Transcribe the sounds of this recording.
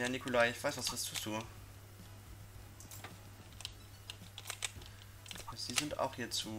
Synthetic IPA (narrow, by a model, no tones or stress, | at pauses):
janikʰʊlaɪɪçv̥aɪsv̥asv̥ɪstd̥uːzuː | z̥iːzɪnta̰ʊxhiːɐt͡suː